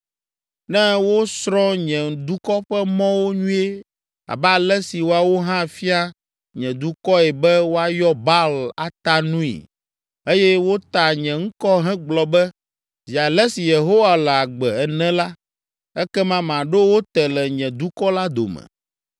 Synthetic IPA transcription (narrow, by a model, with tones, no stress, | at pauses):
nɛ̃˦wo˦sɾɔ̃˦ɲɛ̃˨d̪u˦kɔ˦ɸɛ˦mɔ̃˦wo˦ɲũ˦e˦ | a̰˨bɛ˦a˨lɛ˦si˨wo˦a˨wo˦ɦã˦˨fi˦a˦ | ɲɛ̃˨d̪u˦kɔ˦ɛ˨bɛ˦wo˦a˦jɔ˦ba˦lla˨t̪a˦nũ˦ḭ˨ | e˦jɛ˦wo˦t̪a˨ɲɛ̃˨ŋ̩˦kɔ˦ɦɛ̃˦ɡ͡blɔ˨bɛ˦ | zi˨a˨lɛ˦si˨je˨ɦo˦wa˨lɛ˨a˨ɡ͡bɛ˨ɛ˨nɛ̃˦la˦ | ɛ˦kɛ˦mã˦m˨ã˨ɖo˦wo˦t̪ɛ˨lɛ˨ɲɛ̃˨d̪u˦kɔ˦la˦d̪o̰˨mɛ̰̃˨